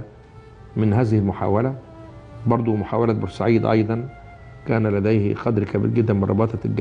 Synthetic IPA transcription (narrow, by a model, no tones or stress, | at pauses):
mɪnhæːzɪhɪlmʊħa̰ːwælæ | bɑɾˤd̪ˤumʊħaːwælæbɑɾsaʕiːd̪ʔɑ̰jd̪ˤɑn | kæːnælæd̪æjhqɑd̪ɾkæbḭːɾɡɪd̪ːænmɪnrˤɾʔɑ̰bɑːt̪ˤɑlɡ